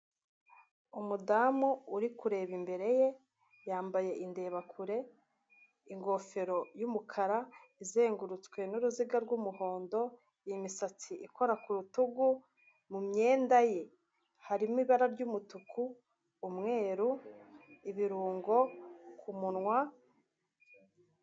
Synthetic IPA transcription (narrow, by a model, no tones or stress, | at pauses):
umudaːmuːɾikuɾe̞βimbe̞ɾe̞je̞ | jaːmbaje̞ʔinde̞ːβakʰuɾe̞ | iŋɡo̞fe̞ɾo̞jumukʰaɾaize̞ːŋɡuɾut͡skwe̞nuɾuziɡaɾɡwumuho̞ːndo̞ | jimisat͡siʔikʰo̞ɾakuɾutuɡu | mumɲe̞ːndaje | haɾimmiβaɾaɾɟumutukʰuː | mŋe̞ːɾu | iβiɾuːŋɡo̞kʰumunŋwa